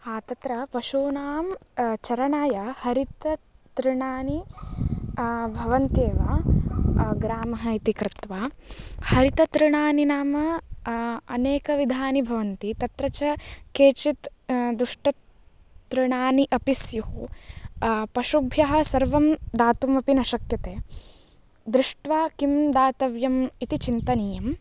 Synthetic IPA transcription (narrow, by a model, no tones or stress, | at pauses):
aːt̪ɐt̪ɾɐpɐʃuːnaːmt͡ʃɐɾɐɳaːjɐhɐɾit̪ɐt̪ɾɪɳaːni | bʱɐʋɐnt̪eːʋɐ | ɡɾaːmɐɦɐit̪ikɾɪt̪ʋaːhɐɾit̪ɐt̪ɾɪɳaːninaːmɐ | ɐneːkɐʋid̪ʱaːnibʱɐʋɐnt̪it̪ɐt̪ɾɐt͡ʃɐkeːt͡ʃit̪d̪ɾuʂʈɐ | t̪ɾɪɳaːniʔɐpisjuhu | pɐʃubʱjɐɦɐ̆sɐɾʋɐmd̪aːt̪umɐpinɐʃɐkjɐt̪eː | d̪ɾuʂʈʋaːkimd̪aːt̪ɐʋjɐmit̪it͡ʃint̪ɐniːjɐm